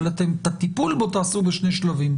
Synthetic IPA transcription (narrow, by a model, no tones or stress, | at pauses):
lat̪emt̪at̪ipulbot̪aːsubeʃne̞jʃlavim